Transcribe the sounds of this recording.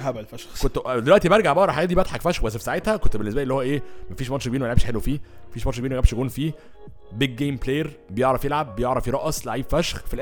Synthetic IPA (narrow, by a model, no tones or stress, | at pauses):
hæbælfæʃxkot̪d̪elwæʔt̪ibæɾˤɡaʕbɑʔɾˤɑħaɡæt̪d̪ibæt̪ħɑkfæʃxbæsːfi̥saʕet̪hækont̪benːesbæʔelːihowːæʔeːmæfiːʃmɑnʃɡebiːnmælʕebʃħelwefiːmæfiːʃmɑnʃɡbiːnmæɡæbʃjæɡʔuːnfiː | beɡ̚ːejmplejeɾ | bejeʕɾˤɑfjelʕabːejeʕɾˤɑfiɾˤɑʔɑsˤlaʕiːb̥fæʃxfilʔ